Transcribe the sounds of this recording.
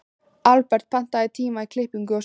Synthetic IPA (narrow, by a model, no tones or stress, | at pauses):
alpɛɾr̥t̪̚pʰɛn̥t̪aðɪt̪ʰiːmaikʰlɪhpiŋkʏɔs